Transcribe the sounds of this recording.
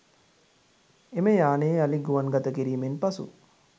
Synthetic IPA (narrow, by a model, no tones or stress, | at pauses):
eməjaːneːaliɡuʋanɡat̪əkiɾiːmenpasṵ